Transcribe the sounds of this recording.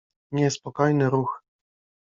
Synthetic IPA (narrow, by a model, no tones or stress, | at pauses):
ɲɛspɔkɔjnɘɾux